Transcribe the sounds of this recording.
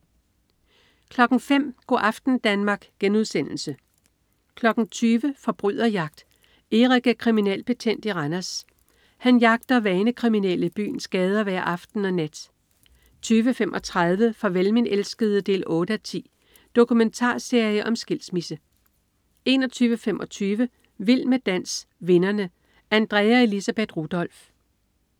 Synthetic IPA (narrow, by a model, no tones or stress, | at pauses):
kʰlɒ̽ɡ̥n̩fem̰ɡ̥ɒ̰ːʔɑ̈fd̥n̩d̥ænmɑ̈ːɡ̥ɡ̥enuðˠsen̰l̩sə | kʰlɒ̽ɡ̥n̩t͡sʰyːʋəfɒ̽b̥ʁyð̞̰ˠɐjɑ̈ɡ̥̚d̥ | e̝ʁiɡ̥ækʰʁiminḛlb̥e̝t͡sʰen̰d̥iʁɑnæs | hænjɑ̈ɡ̥d̥ɐʋɛːnəkʰʁiminel̰əb̥y̰ːnsɡ̥ɛːð̞ˠɐʋæɐ̰ʔɑ̈fd̥n̩ɒ̽ned̥ | t͡sʰyːʋəfemʔɒ̽t͡sʰʁɑðˠʋəfɑ̈ʋelme̝nelsɡ̥əð̞̩ˠəd̥e̝̰ːlɔ̽ːɾ̥əæt͡sʰḭː | d̥o̝kʰument͡sʰɑ̰̈ːse̝ɐ̰jəʔɒ̽msɡ̥el̰smisə | e̝ːnɒ̽t͡sʰyːʋəfemʔɒ̽t͡sʰyːʋə | ʋil̰məd̥æn̰sʋe̝nɐnə | ænd̥ʁɛːæe̝lisæb̥ed̥ʁud̥ɒ̽l̰f